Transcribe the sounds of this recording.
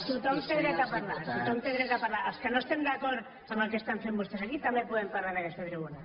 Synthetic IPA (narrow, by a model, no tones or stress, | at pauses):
t̪ut̪oŋt̪eðɾek̪apaɾlaɾt̪ut̪oŋt̪eðɾek̪apaɾlaɾawskenoest̪end̪akoɾ | amakest̪anfembust̪esakit̪amepwoeðempaɾlaɾeɣesfeβɾeβona